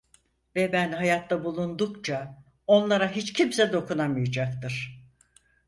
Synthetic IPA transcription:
vɛbænɦajat̪ʰlabulˠund̪ukt͡ʃʰa | o̞nlˠaɾaɦit͡ʃcʰimsɛd̪o̞kunamɯjad͡ʒak̚t̪ɯɾ̥

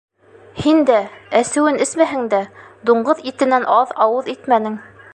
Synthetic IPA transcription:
hind̪ææsɘ̆wɘnɘsmæɦɘŋd̪æd̪uɴɢɤðit̪ɘ̆nænʔɑðɑwɤðit̪mænɘŋ

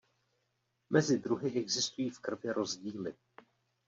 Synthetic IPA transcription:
mɛzɪd̪ɾuɦɪʔɛɡzɪst̪ujiːfkr̩vjɛɾʔo̞zɟiːlɪ

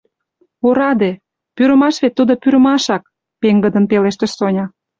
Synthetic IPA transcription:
oɾɑd̪e | pyɾə̆mɑʃβet̪ːud̪opyɾə̆mɑʃɑk̚ | peŋɡəd̪ənpeleʃt̪ĕʃsonʲɑ

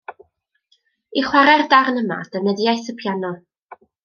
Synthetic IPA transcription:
iχwaɾɛrdarnəma̰d̥ənəðiajθəpʰjanɔ

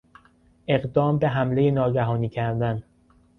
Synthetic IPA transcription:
ʔe̞ɢd̪ɒːmbe̞ɦæmle̞jenɒːɟæɦɒːniːcʰæɾd̪æn

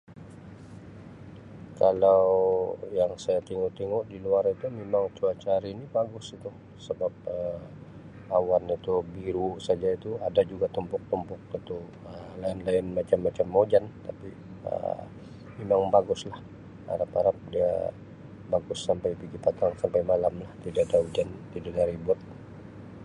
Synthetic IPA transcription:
kalawjaŋsajat̪iŋʊt̪iŋʊʔdiluaɾit̪umemaŋt͡ʃuat͡ʃaɾinibaɡʊsit̪u | səbap̚ə | awanit̪ubiɾusad͡ʒait̪uadad͡ʒuɡat̪əmpʊk̚t̪ɔmpʊk̚it̪u | əlaɪnlaɪnmat͡ʃamːat͡ʃamːod͡ʒant̪api | ə̰ | memaŋbaɡʊslah | a̰ɾapaɾap̚dia̰ | baɡʊsːampajpiɡipat̪aŋsampajmalamlaht̪idadaud͡ʒant̪idaʔdaɾibʊt̪̚

